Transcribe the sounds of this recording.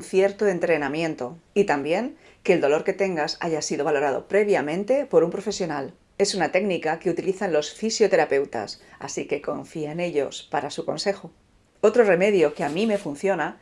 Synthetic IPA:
nθje̞ɾt̪oe̞nt̪ɾe̞namjẽ̞nt̪o̞it̪ambje̞ŋ | ke̞ːld̪o̞lo̞ɾke̞t̪e̞ŋɡasa̰ʝasiðo̞β̞alo̞ɾaðo̞̰pɾe̞βjamẽ̞nt̪e̞po̞ɾumpɾo̞fe̞sjo̞nal | e̞sunat̪e̞ɡnikake̞ut̪iliθanlo̞sfisjo̞t̪e̞ɾape̞wt̪a̰sa̰sike̞ko̞ɱfieene̞ʎo̞̰spaɾasukõ̞̰nse̞xo | o̞t̪ɾo̞re̞me̞ðjo̞keamĩme̞fun̟θjo̞na

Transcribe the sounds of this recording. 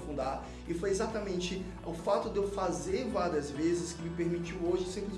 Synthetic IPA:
fũnd̪aɾ | ɪfojezat̪ɐmẽnt͡ʃɪ | ʊfat̪ʊd̪ewfazevaɾiɐzvezɪskɪmɪpeɾmit͡ʃiwoʒɪsẽpɾɪ

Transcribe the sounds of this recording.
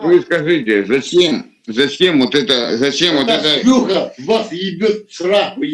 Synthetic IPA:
t̪ʋɨskɐʐɨtʲɪzɐt͡ɕʲem | zɐt͡ɕʲemvot̪ɛt̪ɐzɐt͡ɕemvot̪ɛt̪ɐuɣɐvasjɪbʲot̪̚sɾaxʊ

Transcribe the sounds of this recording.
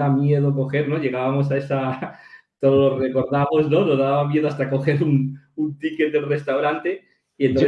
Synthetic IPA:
amje̞ðo̞ko̞xe̞ɾno̞ʝe̞ɣ̞aβamo̞sae̞sa | t̪oðolore̞ko̞ɾðamo̞zno̞noðaβamje̞ðoast̪ako̞xe̞ɾununt̪ike̞t̪̚d̪elre̞st̪awɾant̪e̞ | ient̪o

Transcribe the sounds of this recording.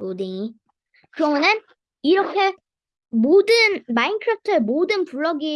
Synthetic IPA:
odiŋi | kɯɾʌmunen | iɾʌkʰe̞ | modɯnmainkʰɯɾap̚ʰtʰɯemodɯnpuɭːʌɡi

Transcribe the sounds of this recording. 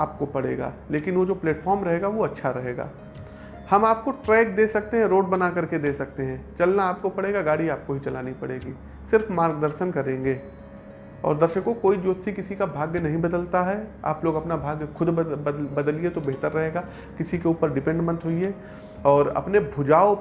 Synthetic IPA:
aːp̚kopɐɽ̤ḛːɡa̰ːleːkɪnʋod͡ʒoːpleːʈfʰɔːɾmɾɐɦeːɡaʋoɐtːʃʰaɾɐɦeːɡa̰ː | hɐmaːp̚koʈɾɛːk̚d̪eːsɐk̚t̪eɦɛ̃ɾoːɖbɐnakɐɾked̪eːsɐk̚t̪eɦɛ̃ːt͡ʃɐlnaːp̚kopɐɽeːɡaɡaːɽiaːp̚koɦit͡ʃɐlaːnipɐɽeːɡiː | sɪɾfmaːɾɡd̪əɾʃənkɐɾẽːŋɡeː | ɔ̰ːɾd̪ɐɾʃəkõkoːid͡ʒoːt̪sikɪsikabʱaːɡjnɐɦĩbɐd̪əlt̪aɦɛa̰ːploːɡɐpnabʱaːɡjəxʰʊd̪bɐd̪əliet̪obeɦt̪əɾːɐɦeːɡa | kɪsikeuːpəɾɖɪpɛ̃ɳɖmə̃nt̪ɦʊie | ɔːɾɐ̰pnebʱʊd͡ʒaːo

